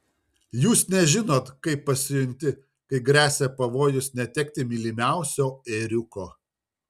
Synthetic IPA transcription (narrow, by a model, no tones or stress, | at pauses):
juːsnʲɛʒʲɪnoːt̪kɐɪpːɐsʲɪjʊnʲt̪ʲɪ | kɐɪɡɾʲæːsʲɛpɐʋoːjʊsnʲɛt̪ʲɛk̚ʲt̪ʲɪmʲiːlʲɪmʲæˑʊsʲoːɛɾʲʊkoː